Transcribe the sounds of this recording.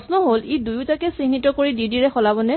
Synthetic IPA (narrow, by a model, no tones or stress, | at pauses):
snɔɦolidujʊtakɛsinitɔkoɹididiɹɛxɔlabɔnɛ